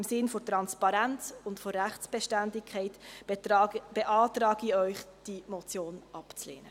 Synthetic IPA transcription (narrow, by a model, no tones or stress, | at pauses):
ɪmsɪnfotɾɑnspɑɾænt͡sʊntforæχtt͡sb̥ɛʃtændɪkʰχɛɪt | b̥eʔɑːtɾɑːɡ̥iœʏχd̥imɔt͡sjoːnʔɑpt͡slḛːnə